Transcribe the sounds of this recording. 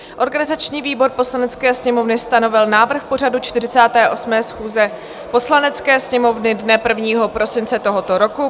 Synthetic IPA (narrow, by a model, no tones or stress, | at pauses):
ʔo̞ɾɡanɪzat͡ʃɲiːviːbo̞ɾpo̞slanɛt͡skɛːsɲɛmo̞vnɪst̪ano̞vɪlnaːvr̩xpo̞r̝adut͡ʃt̪ɪrɪt͡saːt̪ɛːʔo̞smɛːsxuːzɛ | po̞slanɛt͡skɛːsɲɛmo̞vnɪdnɛpr̩vɲiːɦo̞pɾo̞sɪnt͡sɛt̪o̞ɦo̞t̪oɾo̞ku